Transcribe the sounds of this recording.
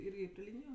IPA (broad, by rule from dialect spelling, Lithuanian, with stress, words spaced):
ˈɪrʲɡʲɪ pʲrʲɪ ˈlʲiːnʲɪjʊ